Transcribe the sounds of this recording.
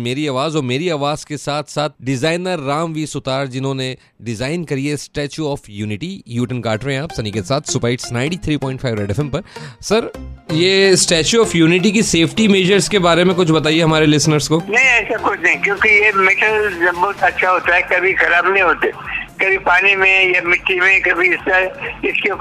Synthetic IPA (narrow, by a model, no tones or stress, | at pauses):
meːɾiaːʋaːzɔːɾmeːɾiaːʋaːz̥kesaːt̪ʰsaːt̪̚ɖɪzaːɪnəɾːaːmʋiːsʊt̪aːɾd͡ʒɪnɦõːne | ɖɪzaːɪnkɐɾiesʈɛːt͡ʃuɔːfjuːnɪʈijuːʈənkaːʈɾeɦẽaːpsɐniːkesaːt̪ʰsʊpaːɪʈsnãːɪ̃ɳɖit̪ʰɾiːpɔ̃ːɪ̃ɳʈfʰaːɪʋɾɛːɖɛfʰɛ̃mpɐɾsɐɾjeːsʈɛːt͡ʃuɔːfjuːnɪʈ̬ikiseːfʰʈimeːd͡ʒəɾzkebaːɾemẽkʊt͡ʃʰbɐt̪aːieɦɐmaːɾelɪsnəɾzkoːnɐ̃ɦĩɛːsakʊt͡ʃʰnɐ̃ĩkjõːkijemɪʈəlbɔːʊt̪ɐtːʃʰaɦoːt̪aɦɛkɐbʱixɐɾaːbnɐ̃ɦĩɦoːt̪ekɐbʱipaːnimẽjamɪʈːimẽkɐbʱiɪskaɪske